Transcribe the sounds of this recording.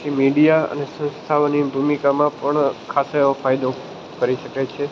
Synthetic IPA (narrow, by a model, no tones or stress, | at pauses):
imiɖijaə̰nesə̃nst̪ʰaʋnibʱumikamãpəɳkʰaseõfajd̪o | kəɾiʃəket͡ʃʰe